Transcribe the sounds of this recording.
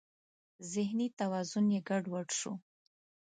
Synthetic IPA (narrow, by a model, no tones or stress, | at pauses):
zɪhnit̪awɑzʊnjeɡaɖwəʈʃu